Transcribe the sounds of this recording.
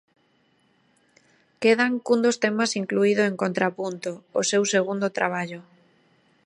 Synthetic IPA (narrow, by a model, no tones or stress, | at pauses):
keðaŋkund̪ost̪emasiŋkluið̞ʊeŋkont̪ɾapunt̪oʊsewseɣ̞und̪ot̪ɾaβ̞aʎʊ